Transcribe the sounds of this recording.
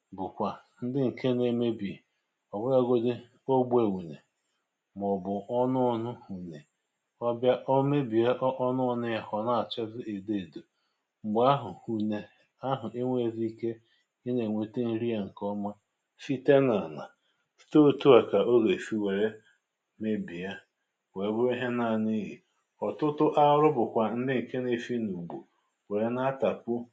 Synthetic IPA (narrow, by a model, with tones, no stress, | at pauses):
bʊ˨kʷa˨ | n̩˦dɪ˦ŋ̩˨kʰe˦ne˨me˦bi˨ | ɔ˨bʊ˦ɾa˦ɡo˦de˦ | o˦ɡ͡be˨wu˨ne˨ | m˨ɔ˨bʊ˨ʔɔ˦nʊ˦nʊ˦hu˨ne˨ | ɔ˦bja˦ʔo˦me˦bi˨e˦ʔʔɔ˦nʊ˦nʊ˦ja˨hɔ˨na˦a˨t͡ʃɛ˦zɪ˦e˨de˦˨do˨ | ŋ͡m̩˨ɡ͡bʊ˨˦a˦ɦʊ˨u˨ne˨ | a˦ɦʊ˨ʔe˦ŋʷe˦˨zi˦i˦ke˦ | i˦ne˨ŋʷe˨te˦n̩˦ɾi˦a˦ŋ̩˨kɔ˦ma˦ | fi˦te˦na˨na̰˨ | sto˦˨tu˦a˨ka˨o˦ɡe˨fi˦we˨ɾe˦ | me˦bi˨a˦ | we˨bʊ˦i˦ɦe˦na˨ni˦ɦi˨ | ɔ˨tʊ˦tʊ˦ʔa˦ɾʊ˦bʊ˨kʷa˨n̩˦dɪ˦ŋ̩˨ke˦ne˦fi˦nu˨ɡ͡bo˨ | we˨ɾe˦na˦ta˨pʊ˦